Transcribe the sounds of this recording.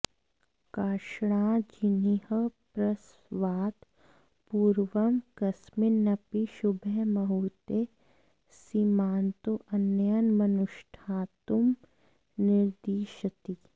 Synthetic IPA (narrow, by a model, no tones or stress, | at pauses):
kaːʃɽ̃ãːd͡ʒinihəpɾɐs | ʋaːt̪ | puːɾʋəmkɐsmɪnːɐpiʃʊbʱəɦmɐɦuːt̪e | simaːnt̪oʔɐnːjənmɐnʊʃʈʰaːt̪um | nɪɾd̪iːʃət̪i